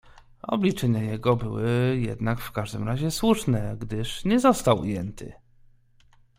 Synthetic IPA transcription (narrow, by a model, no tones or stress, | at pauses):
ɔ̰blʲit͡ʂɛɲajɛɡɔbɘwɘjɛ̰d̪nakfkaʐd̪ɘmɾaʑɛswuʂnɛɡd̪ɘʂɲɛzɔst̪awṵjɛnt̪ʰɘ̰